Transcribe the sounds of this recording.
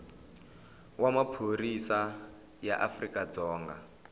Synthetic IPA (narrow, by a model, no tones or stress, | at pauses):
wamapʰoɾisa | jaʔafrikʼad͡zɔːŋɡa̰